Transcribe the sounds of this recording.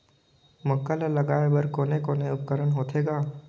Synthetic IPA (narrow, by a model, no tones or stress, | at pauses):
məkːalalɐɡaːebəɾkoːnekoːneʊp̚kəɾənɦoːt̪ʰeːɡaː